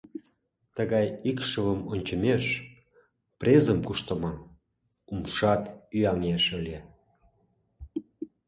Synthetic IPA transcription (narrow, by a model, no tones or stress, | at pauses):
t̪əɣɑjikʃəβəmonʲt͡ɕə̆meʃ | prʲezəmkuʃt̪ə̆mɑ | umʃɑt̪yɑŋeʃəlʲe